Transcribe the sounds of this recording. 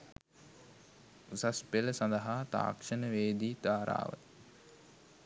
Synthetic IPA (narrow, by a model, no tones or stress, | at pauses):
usaspeləsand̪əɦaːt̪a̰ːkʂənəʋeːd̪iːd̪aːɾa̰ːʋə̰